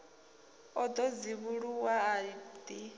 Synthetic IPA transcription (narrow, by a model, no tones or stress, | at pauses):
ɔd̪ɔd͡ziβuɺuwaadi